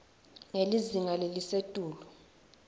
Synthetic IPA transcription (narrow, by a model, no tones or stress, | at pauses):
ŋeliziŋalelisetʼuːlɔ